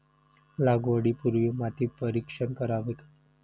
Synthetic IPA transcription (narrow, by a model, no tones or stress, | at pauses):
laɡʋəɽipuɾʋimat̪ipəɾikʂənkəɾaʋek